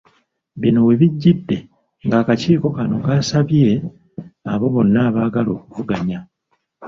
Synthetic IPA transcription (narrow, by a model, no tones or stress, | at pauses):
βino̞we̞βiɟːidːe̞ | ŋɡaːkaciːko̞kano̞kaːsaβje̞ | aβo̞βo̞nːaːβaːɡalo̞ːkuvuɡaɲa